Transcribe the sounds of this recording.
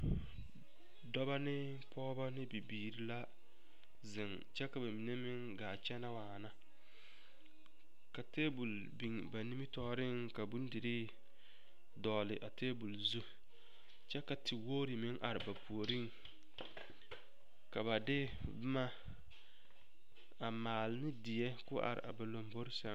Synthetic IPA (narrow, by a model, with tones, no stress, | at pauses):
dɔ˦ba˦nɪ˦ | pɔː˦ba˦nɪ˦bi˨biː˨ɾi˨la˦ | zɪ˨ŋ | t͡ʃɛ˦ka˨ba˨mi˨ne˦mɪ˦ŋ | ɡaː˨t͡ʃɛ˦na˦waː˨na˦ | ka˨teː˦bu˨l | bi˨ŋba˨ni˦mi˦tɔː˦ɾɪ˦ŋka˨bu˦n˦dɪ˨ɾi˦ | dɔː˨lɪ˨ʔa˨teː˦bu˨lzu˦ | t͡ʃɛ˦ka˨tɪ˨woː˦ɾi˨mɪ˦ŋʔa˨ɾɪ˨ba˨pʰu˨o˨ɾi˦ŋ | ka˨βa˨dɪ˦ | bma˦ | a˨maː˨lnɪ˦dɪ˨jɛ˦kʊ˦ʔa̰˨ɾɪ̰˨ʔa̰˨ba˨lo˨mbo˦ɾʃɛ˦